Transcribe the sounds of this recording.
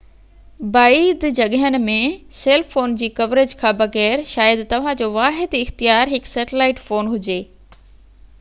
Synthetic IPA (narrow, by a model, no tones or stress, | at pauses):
baːiːd̪d͡ʑɐɠɦən̆mẽseːlfoːnd͡ʑiːkɐʋɾɪd͡ʑkʰãːbɐɣɛːɾʃaːjəd̪t̪ɐʋ̤ãd͡ʑoːʋaːɦɪd̪ɪxt̪ijaːɾɦɪksɛːʈɪlaːɪʈfoːnɦʊd͡ʑeː